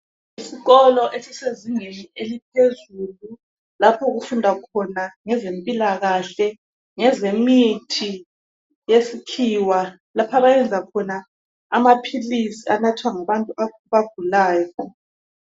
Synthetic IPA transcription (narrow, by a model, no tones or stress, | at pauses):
isiɣɔlɔʔesiseziŋenielipʰezulu | lapʰɔɣufundʱakʰɔnaŋɛzempʼilaɣaɬɛ | ŋɛzemitʰi | jesikʰiːwa | lapʰaβajɛnd͡zʱakʰɔnaː | mapʰilisianatʰwaŋaβantʼua | βab̥̚ʱulaːjɔ